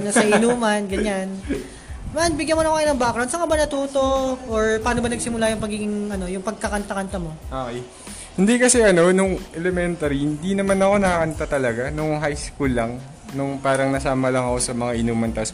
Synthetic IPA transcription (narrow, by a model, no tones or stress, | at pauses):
nɐsɐʔɪnuːmɐnɡɐɲan | man̚bɪɡjɐnmoɐkoɐɪnɐŋbakɾawnsɐŋabɐnɐt̪uːt̪o̞ʔoɹpaːno̞bɐnɐɡsɪmʊlajʊŋpɐɡiːɡɪŋɐno̞jʊŋpɐɡ̚kɐkɐnt̪ɐkɐnt̪ɐmo̞ʔoke | hɪnd̪ikɐsɛʔɐno̞nʊŋʔɛlɛmɛnt̪ɐɾihɪnd̪inɐmanɐko̞nɐkɐkɐnt̪at̪ɐlɐɡanʊŋɦajskulːaŋ | nʊŋpaːɾɐŋnɐsaːmɐlɐŋɐko̞sɐmɐŋaʔɪnuːmɐnt̪ɐʔs